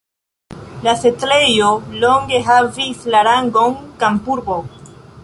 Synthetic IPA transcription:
lase̞tɾe̞jo̞lo̞ŋɡe̞ɦavislaɾaŋɡo̞nkampuɾbo̞

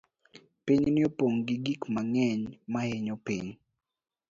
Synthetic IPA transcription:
piɲnɪopoŋɡiɡikmaŋɛɲmaheɲopḭɲ

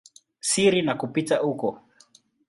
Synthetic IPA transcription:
siɾinakupitaukɔ

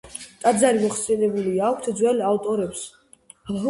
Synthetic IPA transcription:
t̪ʼad̪zaɾimɔχsɛnɛbuliakʷʰt̪ʰd̪zwɛlavt̪ʼɔɾɛps

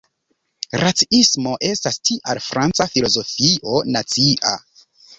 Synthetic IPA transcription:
ɾʔat͡siismo̞ʔe̞stastiʔalfɾʔant͡safilo̞zo̞fiʔo̞nat͡siʔa̰

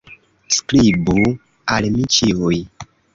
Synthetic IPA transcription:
sklibu | almit͡ʃiuj

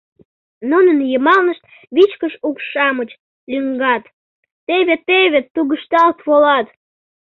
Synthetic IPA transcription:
nunənjəmɑlnəʃt̪̚ | βit͡ɕkəʃukʃɑmət͡ɕ | lʲyŋɡɑt̪ː | eβet̪eβʲet̪ːuɣəʃt̪ɑlt̪βolɑt̪

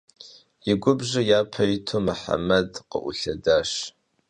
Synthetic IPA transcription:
iɡʷʊbʐʷajapʰajitʰomaħa̰madqʼə̰ʔṵɬɐdaʂ

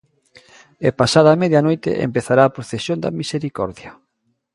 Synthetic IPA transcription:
epasaðɐamɛðjanojt̪ḛʔḛmpeθaɾaːpɾoθesjond̪ɐ̰miseɾikɔ̰ɾðjɐ

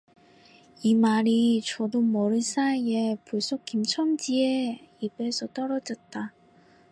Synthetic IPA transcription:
imaɾit͡ɕʌdomʌɾɯs͈ʰaepuɭs͈ok͈imt͡ɕʰʌmd͡ʑieibe̞sʰʌt͈ʌɾʌd͡ʑʌt̚t͈a

